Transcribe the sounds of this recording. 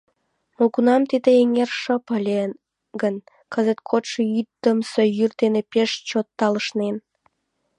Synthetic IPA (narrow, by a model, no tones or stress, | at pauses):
mokunɑmt̪id̪eeŋerʃə̆pəlʲe | ɡən | kəzət̪̚kʰot̪ʃeyt̪ːəmsəjyrd̪enepeʃt͡ɕot̪ːɑləʃnen